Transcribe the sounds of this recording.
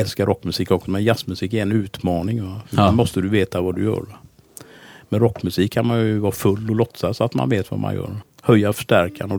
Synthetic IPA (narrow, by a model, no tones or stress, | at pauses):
ɛlskaɾʔɔkːmɵsiːkɔksɔmɛnjasmɵsiːkɛɛnʉ̟ːt̪mɑːnɪŋvafmɔst̪əd̪ɵveːt̪avad̪ɵ̰jœ̰ːɾ | mɛɾɔkːmɵsiːkʰːanmanjɵvɑːfɵlːɔlɔt̪sasɔat̪ma̰nveːt̪va̰mʔa̰njœ̰ːɾ | hœjːafœ̥ʂʈæɾkʰanɔ